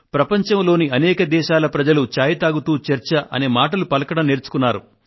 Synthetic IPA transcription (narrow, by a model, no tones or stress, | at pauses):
pɾɐpɐɲt͡ʃɐmlo̞ːniɐnɛːkɐd̪ɛːʃaːlɐpɾɐd͡ʒɐlut͡ʃaːjɐt̪aːɡut̪uːt͡ʃɐɾt͡ʃɐʔɐ̰neːmaːʈɐlupɐlɐkɐɽɐmneːɾt͡ʃu̥kunːaːɾṵ